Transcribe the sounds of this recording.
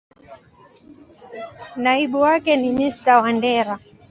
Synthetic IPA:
naiɓuwakɛnimistawandɛɾa

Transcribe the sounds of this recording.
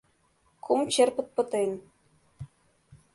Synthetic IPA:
kʰumt͡ɕerpɤ̆t̪̚pɤ̆t̪ɤ̆jn

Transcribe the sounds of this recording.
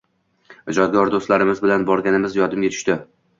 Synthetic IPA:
ɪd͡ʒɒd̪ɡʲɒɾd̪ost̪laɾɪmɪzbɪlanbɒɾɡʲanɪmɪzjɒd̪ɪmɡʲat̪ʰʊ̥ʃt̪ɪ

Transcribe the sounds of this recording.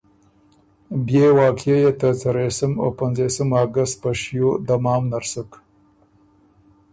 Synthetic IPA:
bjewɑːkjejet̪ət͡saɾesəmo̰panzesəmaɡast̪̚pəʃjod̪amɑːmnaɾsək

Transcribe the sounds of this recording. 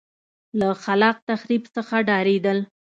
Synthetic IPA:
laxalɑq̚t̪axɾibsəxaɖɑɾed̪əl

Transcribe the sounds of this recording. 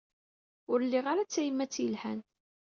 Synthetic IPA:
ʊɾlːiʁaɾat͡sːæjəmːæt͡sːjəlħæ̰n

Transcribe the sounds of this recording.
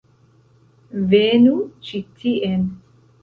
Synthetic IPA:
venut͡ʃitʰiʔen

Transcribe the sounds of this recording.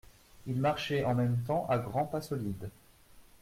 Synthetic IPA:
ilmaʁʃɛʔɑ̃mɛmt̪ɑ̃ʔaɡʁɑ̃pasɔlid̪

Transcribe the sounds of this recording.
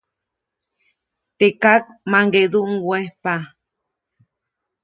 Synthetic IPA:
t̪ekak̚maŋɡeðuʔŋwehpa

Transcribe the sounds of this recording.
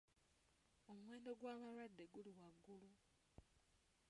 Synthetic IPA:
o̞muwe̞ːndo̞ɡwaːβalwadːe̞ɡuliwaɡːulu

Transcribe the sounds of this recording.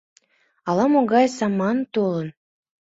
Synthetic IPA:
ɑlˠɑmoɡɑjsɑmɑnt̪olɤn

